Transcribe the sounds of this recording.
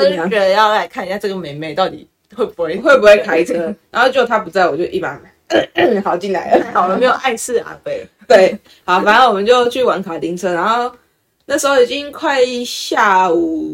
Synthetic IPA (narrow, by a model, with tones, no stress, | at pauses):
t͡ɕɥɛ˧˦d̪ə˧jɑ˥˧ʊla˧ɪkʰa˥˧ni˨˩ɕja˥˧ʈ͡ʂɤ˥˩ɡə˩me˨˥ɪme˧˩ɪt̪ɑ˥˩ʊt̪ḭ˨˩ | xwe˥˩ɪpu˩˦xwe˥˩xwe˥˩ɪp̬u˧˥we˥˩ɪkʰa˥ɪt͡sʰɤ˦na˨˥nxo˥˩ʊt͡ɕjo˥˩o˨˩a˥pu˧˥t͡sa˥˩ɪwɔ˨˩t͡ɕjo˥˧ʊʔi˥˩pa˧˥˩ma˨˩˦ɪ˥xɑ˨˩ʊt͡ɕi˥˩˨nla̰˧˦ɪlə˦˨˩ʊlə˧˦me˧˥ɪjo˨˩ʊʔa˥˧ɪsɹ̩˥˩a̰˨˩fe˥˩ɪ | t̪we˥˩ɪ | hɑ˨˦fa˨˩nə˥˩nwɔ˨˩mə˨˦nt͡ɕjo˥˧ʊt͡ɕʰy˥˨˩wa˧˥nkʰa˨˩t̪i˧˥ŋt͡sʰɤ˥na˧˦xo˥˩ʊ | na˥˩əʂ̬̩˧xo˥˩i˨˩t͡ɕi˦ŋkʰwa˥˧ɪɕja˥˩u˨˩